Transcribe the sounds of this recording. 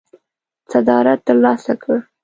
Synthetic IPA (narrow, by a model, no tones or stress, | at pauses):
sad̪ɑɾat̪ːəɾlɑsakʰə